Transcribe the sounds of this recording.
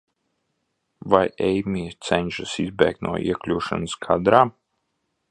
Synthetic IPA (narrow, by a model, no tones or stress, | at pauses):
vajɛjmiːt̪sɛnʲʃɨsizbɛ̰ːk̚t̪nʔṵɔʔḭɛklʲuːʃa̰nəskʰad̪ɾaː